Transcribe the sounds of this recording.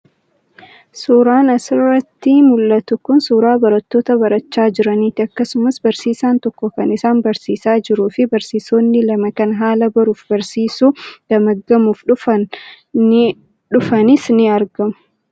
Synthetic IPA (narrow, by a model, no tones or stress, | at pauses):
suːɾaːnɐsɪrːɐt̪ːɪmʊlːɐt̪ʊkʊnsuːɾaːbɐɾɐt̪ːo̞ːt̪ɐbɐɾɐt͡ʃːaːd͡ʒɪɾɐniːt̪ɪɐkːɐsʊmɐsbɐɾsiːsaːnt̪ɔkːɔkɐnɪsaːnbɐɾsiːsaːd͡ʒɪɾuːfɪbɐɾsiːsoːnːɪlɐmɐkɐnɦaːlɐbɐɾuːfbɐɾsiːsuːd̪̥ɐmɐɡːɐmuːfᶑʊfɐn | ᶑʊfɐnɪsnɪɐɾɡɐmʊ